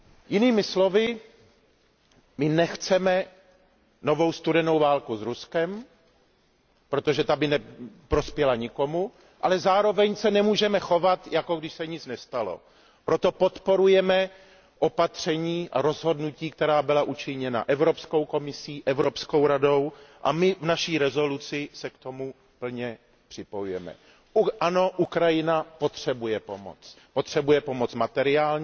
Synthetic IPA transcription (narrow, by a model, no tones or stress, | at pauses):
jɪniːmɪslo̞vɪ | mɪnɛxt͡sɛmɛ | no̞vo̞wst̪udɛno̞wvaːlkuzɾuskɛm | pɾo̞t̪o̞ʒɛt̪abɪnɛpɾo̞spjɛlaɲɪko̞mu | ʔalɛzaːɾo̞vɛɲsɛnɛmuːʒɛmɛxo̞vat̪jako̞ɡdɪʃsɛɲɪt͡snɛst̪alo̰ | pɾo̞t̪o̞po̞t̪po̞ɾujɛmɛ | ʔo̞pat̪r̝̥ɛɲiːʔa̰ɾo̞zɦo̞dnuciːkt̪ɛɾaːbɪlaʔut͡ʃɪɲɛna̰ʔɛvɾopsko̞wko̞mɪsiːʔɛvɾo̞psko̞wɾadowʔa̰mɪvnaʃiːɾɛzo̞lut͡sɪsɛkt̪o̞mu | pl̩ɲɛ | pr̥ɪpo̞jujɛmɛ̰ | ʔano̞ʔukɾajɪnapo̞t̪r̝̥ɛbujɛpo̞mo̰t͡s | pot̪r̝̥ɛbujɛpo̞mo̞t͡smat̪ɛɾɪaːlɲ